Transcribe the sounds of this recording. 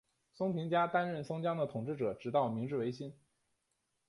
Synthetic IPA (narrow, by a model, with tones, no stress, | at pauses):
sʊ˥ŋpʰi˧˥ŋt͡ɕja˥t̪a˥nɻə˥˩nsɤ˥ŋt͡ɕjɑ˥ŋd̪ə˨t̪ʰʊ˨˩ŋʈ͡ʂɻ̩˥˩ʈ͡ʂɤ˨˩ʈ͡ʂɻ̩˧˥t̪ɑ˥˩ʊmi˧˥ŋʈ͡ʂɻ̩˥˩we˧˥ɪɕi˥n